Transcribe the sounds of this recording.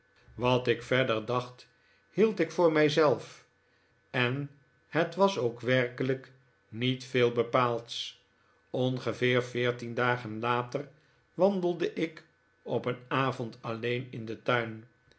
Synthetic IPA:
ʋɑtɪkfɛɹdəɹdɑχt | hilˠtɪkfʊːɹmɛjzɛlˠf | ɛn | hətʋɑsowkʋɛɹkələk | nitfeːlˠbəpaːlˠts | ɔnχəvɪːɹvɪːɹtindaːχənlaːtər | ʋɑndəlˠdəʔɪk | ɔpənaːvɔntɑlejnɪndətœɥn

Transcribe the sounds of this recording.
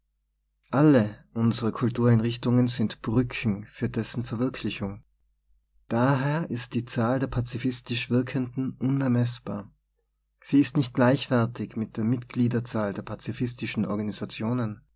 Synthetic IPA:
ʔaləʔʊnzəʁəkʰʊltuːɐaɪnʁɪçtʊŋənzɪntb̥ʁʏkʰŋ̩fyːɐdɛsn̩fɛɐvɪɐkʰlɪçʊŋ | d̥aːɦeːɐʔɪst̚d̥iːt͡saːldeːɐpʰat͡sifɪstɪʃv̥ɪɐkʰəndn̩ʔʊnɛɐmɛsb̥a̰ːɐ | z̥iːɪstnɪçt̚ɡ̥laɪçv̥ɛɐtʰɪçmɪt̚d̥eːɐmɪtɡ̥liːdɐt͡saːldeːɐpʰat͡sifɪstɪʃn̩ʔɔ̰ɐɡaniz̥at͡sjoːnən

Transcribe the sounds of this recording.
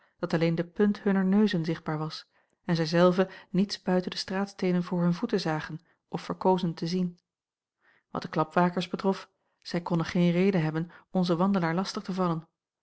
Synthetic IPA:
d̥ɑtɑlejndəpɵnthɵnəɹnøɥzənzɪχd̚baːɹʋɑs | ɛnzɛjzɛlˠvənitsb̥œɥtəndəstraːtstejnənvʊːɹɦɵnvutəzaːχən | ʔɔfːəɹkowzəntəzin | ʋɑ̰t̚d̥əklɑpʋaːkəɹzbətʁɔf | z̥ɛjkɔndəχejnrejdəɦɛbənɔnzəʋɑndəlaːɹlɑstəχtəvɑlən

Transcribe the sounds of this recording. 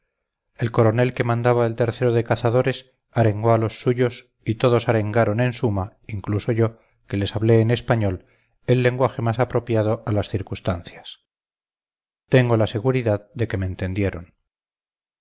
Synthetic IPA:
e̞lko̞ɾo̞ne̞lke̞mãnd̪aβaelt̪e̞ɾθe̞ɾo̞ðekaθaðo̞ɾe̞s | aɾe̞ŋɡo̞alo̞sːuʝo̞s | it̪o̞ðo̞saɾe̞ŋɡaɾo̞ne̞nsumaiŋkluso̞ʝo̞ | ke̞le̞saβle̞ːne̞spaɲo̞l | e̞lːe̞ŋɡwaxe̞masapɾo̞pjað̞o̞ʔalasθiɾkust̪anθjas | t̪e̞ŋɡo̞lase̞ɣuɾiðaðd̪e̞ke̞meːnt̪e̞nd̪je̞ɾo̞̰n

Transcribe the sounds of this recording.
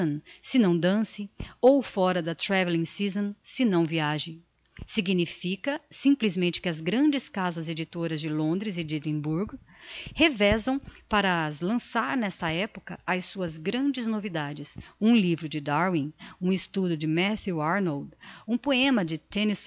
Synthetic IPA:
sɪnɐ̃w̃d̪ɐ̃sɪowfɔɾɐd̪ɐt̪ɾɛvelĩsizõnsɪnɐ̃w̃viaʒɪ̃ | siɡinifikɐsĩmplizmẽnt͡ʃɪ̥kɪɐzɡɾɐ̃nd͡ʒɪskazɐzed͡ʒit̪oɾɐzd͡ʒɪlõnd̪ɾɪzɪd͡ʒid̪ẽbuɾɡ | hevɛzɐ̃w̃paɾɐzlɐ̃saɾnɛst̪ɐɛpokɐɐjsuɐzɡɾɐ̃d͡ʒɪznovid̪ad͡ʒɪsũlivɾʊd͡ʒɪd̪aɾwĩũɪst̪ud̪ʊd͡ʒɪmɛθjuaɾnowd̪ũpoẽmɐd͡ʒɪt̪ẽnis

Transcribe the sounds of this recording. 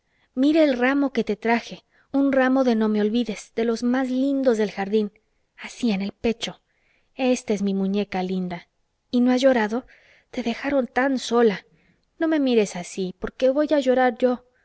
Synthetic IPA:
miɾe̞ːlramo̞ke̞t̪e̞t̪ɾaxe̞ | unramo̞ðe̞no̞me̞o̞lβiðe̞sðe̞lo̞zmazlind̪o̞zðe̞lxaɾðin | asie̞ne̞lpe̞t͡ʃo | e̞st̪ae̞zmimũɲe̞kalind̪a | ino̞azʝo̞ɾaðo̞ | t̪e̞ðe̞xaɾo̞nt̪anso̞la | no̞me̞miɾe̞sasipo̞ɾke̞βo̞jaʝo̞ɾaɾʝo̞

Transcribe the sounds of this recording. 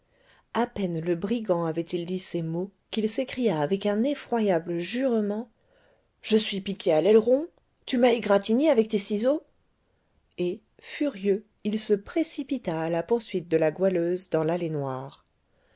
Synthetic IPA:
apɛnləbʁiɡɑ̃avɛt̪ild̪isemokilsekχijaːvɛkɛ̃nefχwajabləʒyʁmɑ̃ | ʒ̥əsɥipikʲʰealɛlʁɔ̃ | t̪ymaeɡʁat̪ineavɛk̚t̪esizo | e | fyʁjø | ilsəpχesipit̪aːlapuʁsɥit̪̚d̪əlaɡwaløzd̪ɑ̃lalenwaːʁ

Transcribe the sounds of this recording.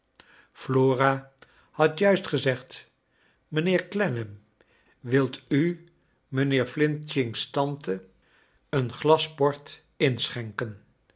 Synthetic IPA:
floːraː | hɑtjœɥstχəzɛχt | mənɪːɹklɛnəm | ʋɪlˠty | mənɪːɹflɪnt͡ʃɪŋstɑntə | ənχlɑsbɔɹt | ɪnsχɛŋkən

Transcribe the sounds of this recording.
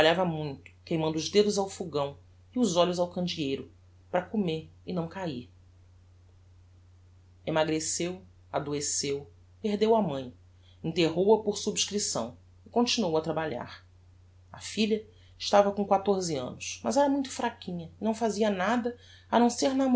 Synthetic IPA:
ʎavɐmũj̃t̪ʊ̥kejmɐ̃nd̪ʊːʒd̪ed̪ʊzawfuɡɐ̃w̃ | ɪʊzɔʎʊzawkɐ̃nd͡ʒiejɾʊ | pɾɐkomeɾɪnɐ̃w̃kaiɾ | emaɡɾesew | ad̪oesew | peɦd̪ewɐmɐ̃j̃ | ĩt̪eɦowɐpoɾsubʃkɾisɐ̰̃w̃ | ɪkõnt͡ʃinowɐt̪ɾabaʎa̰ɾ | ɐfiʎɐ | ɪʃt̪avɐkõkwat̪oɾzɪɐ̰̃nʊsmɐzɛɾɐmũj̃t̪ʊ̥fɾakĩɲɐɪnɐ̃w̃faziɐnad̪ɐ | ɐnɐ̃w̃seɾnam

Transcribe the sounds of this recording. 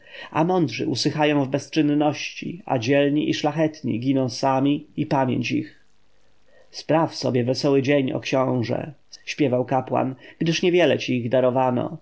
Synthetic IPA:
a̰mɔnd̪ʐɘ̰ʔusɘxajɔ̃w̃vbɛst͡ʂɘnːɔɕt͡ɕḭa̰d͡ʑɛlɲiʔiʂlaxɛt̪ɲḭɡʲinɔ̃w̃samʲiipamʲjḛɲt͡ɕḭx | spɾafsɔbʲjɛvɛsɔwɘd͡ʑeɲɔ̰kɕɔ̃w̃ʐɛ̰ | ɕpʲjɛvawkapwa̰nɡd̪ɘʂɲɛvʲjɛlɛt͡ɕiːɣd̪aɾɔvanɔ̰

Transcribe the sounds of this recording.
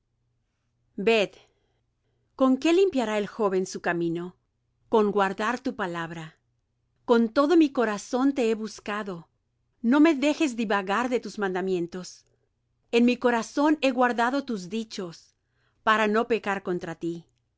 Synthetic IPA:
be̞ð | ko̞ŋke̞limpjaɾae̞lxo̞βe̞nsukamĩno̞ | ko̞ŋɡwaɾðaɾt̪upalaβɾa | ko̞nt̪o̞ðo̞miko̞ɾaso̞nt̪e̞eβuskaðo̞ | no̞me̞ðe̞xe̞zd̪iβaɣaɾðe̞t̪uzmãnd̪amjẽ̞nt̪o̞s | e̞nmiko̞ɾaso̞ne̞ɣwaɾðaðo̞t̪uzðit͡ʃo̞s | paɾano̞pe̞kaɾko̞nt̪ɾat̪i

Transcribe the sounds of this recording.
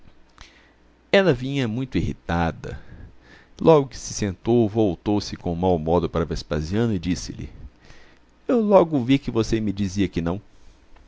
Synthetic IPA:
ɛlɐvĩɲɐmũj̃t̪ʊihḭt̪ad̪ɐ̰ | lʔɔɡʊkɪ̥sɪsẽnt̪owvowt̪owsɪkõmawmɔd̪ʊpaɾɐvespa̰ziɐ̃nʊɪd͡ʒisɪ̰lɪ̰ | ewlɔɡʊvikɪvosemɪd͡ʒiziɐkɪnɐ̃w̃

